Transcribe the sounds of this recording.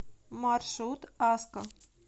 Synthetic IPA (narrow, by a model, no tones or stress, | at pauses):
mɑrʃut̪ɑskə